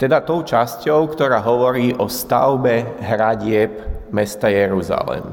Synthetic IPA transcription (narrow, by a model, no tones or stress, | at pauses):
t̪ɛd̪at̪ɔʊt͡ʃascɔʊkt̪ɔɾaːɦɔʋɔɾiːʔɔst̪a̰ʊbɛɦɾaɟɪɛbmɛst̪ajɛɾuza̰lɛ̰m